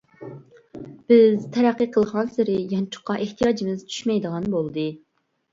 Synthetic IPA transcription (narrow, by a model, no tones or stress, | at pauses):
b̥ɪzt̪ʰɛɾæqːɨqʰəlˠʁɑnsɪɾɪjɑnt͡ʃʰʊ̥qːɑʔeht̪ʰijɑːd͡ʒimɪzt͡ʃʰy̥ʃmɛjd̪əʁɑnbolˠd̪ɨ